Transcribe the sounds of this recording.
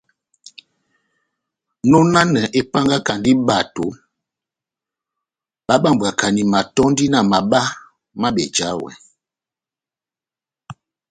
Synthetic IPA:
no˦na˦nə˨ʔe˦pa˦ŋɡa˦ka˨ndi˦ba˨to˨˦ | ɓa˦ɓa˦m˨ba˨ka˨ni˨ma˨tɔ˦n˦di˦na˨ma˨ɓa˦ | ma˦bɛ˨d͡ʒa˨˦wɛ̰˨

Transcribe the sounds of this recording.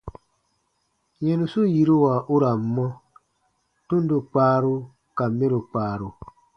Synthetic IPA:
jɛ˨nu˨su˦ji˨ɾu˦wa˨ʔu˦ɾa˨m˨˦mːɔ˦ | tu˦n˦du˦k͡paː˦ɾu˦ | ka˨mːe˦ɾu˨k͡paː˨ɾu˨

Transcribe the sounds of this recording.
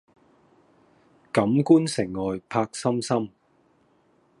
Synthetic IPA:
kɐ˨˥mkuː˥nsɪ˨˩ŋːɔː˨jpʰaː˧k̚sɐ˥msɐ˥m

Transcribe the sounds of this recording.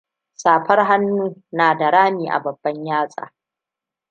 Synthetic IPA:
saː˨ɸɐ˦rɦa˦nːuː˦naː˨da˨ɽaː˦miː˨ʔa̰˨bɐ˨bːɐ˦ɲjaː˦sʼa̰ː˨

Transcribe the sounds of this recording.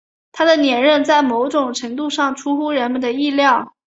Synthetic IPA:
t̪ʰa˥d̪ə˨njɛ˨˩nɻə˥˧nt͡sa˥˩ɪmo˧˥ʊʈ͡ʂʊ˨˩ŋʈ͡ʂʰɤ˧˥ŋt̪u˥˧ʂɑ˥˩ŋʈ͡ʂʰu˥xu˥ɻə˧˥nmə˨nd̪ə˩i˥˧ljɑ˥˩ʊ

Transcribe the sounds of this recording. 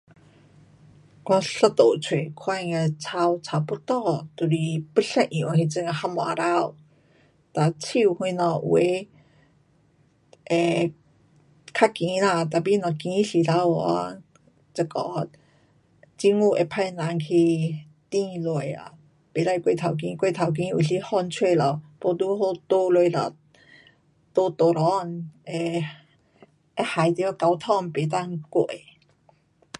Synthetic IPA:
kɔ˧ɬɔ˧t̪o˨t͡sʰwe˨kʰwa˥˧jŋa˧t͡sʰa˧wt͡sʰa˧wpu˦t̪ɔ˦˧t̪u˧ɾi˧pə˥˧ɬa˧ʔi˨wʔa˧ki˧t͡sə˧ŋa˧ha˧mɔ˨a̰˧ɾa˧˨w | t̪a˨t͡sʰi˧whu˧jnɔ˧w̰e˧ | ʔɛ˨ | kʰa˥ki˨na˧t̪a˧˨bi˧nɔ˧˨ki˧ŋi˦ɬi˨ɾa˧wa̰˧ | t͡sə˨˧˩kɔ˧˦ | t͡ɕi˧ŋu˧˨ʔe˧˩pʰa˧jna˨˦ŋkʰi˧ | t̪ĩ˧lo˧˩˨ja̰˨˩ | pe˨˦la˧jkwe˧˨t̪ʰa˨˩wk̬ĩ˧˦kwe˥˧˨t̪ʰa˨˩wk̬ĩ˧˦u˨˩li˧˥hɔ˥˧nt͡ɕʰwe˥˧˨lɔ˨po˧˦t̪u˧˦ho˧t̪o˧lwe˧˨la̰˨˩ | t̪o˧t̪o˨˧lɔ˧ne˧˩ | a˦ha˨˩˦jt̪i˧˦ka˧wt̪ʰɔ˥˧ŋpe˨˩t̪̬a˥˧ŋko˧˩˨j

